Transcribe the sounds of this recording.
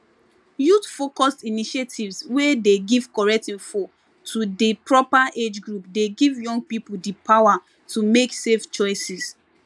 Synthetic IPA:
jutfokɔstiniʃetʰivswedeɡiv̥kɔɹɛk̚tĩfɔ | tʰudipʰɹɔpaʔed͡ʒɡɹupdeɡivjɔ̃ŋɡ̚pipuldipʰawa | tʰumekseft͡ʃɔɪsis

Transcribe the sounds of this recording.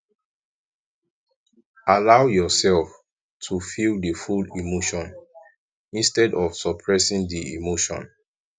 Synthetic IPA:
alawjɔsɛlf | tʰufilˠdəfulimoʃɔ̃n | ĩnstɛdɔvsɔpʰɹɛsĩŋdiḭmoʃɔ̰̃n

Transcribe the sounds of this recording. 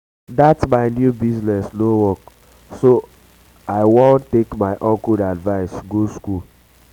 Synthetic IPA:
datsmaɪnjubiznɛsnowɔk | so | aɪwõntekmaɪʔɔ̃nkudadvaɪsɡoskul

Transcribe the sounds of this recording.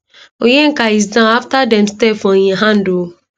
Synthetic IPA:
oɲeŋ̩kaizdãaftadɛmstefɔɲeaɦan̩du

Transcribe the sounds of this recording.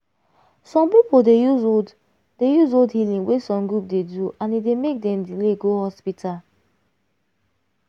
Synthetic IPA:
sɔ̃mpipodejuzod | dejuzodhilĩŋwesɔ̃mɡɹup̚deduʔãnidemek̚dɛ̃mdileɡohɔspitʰal

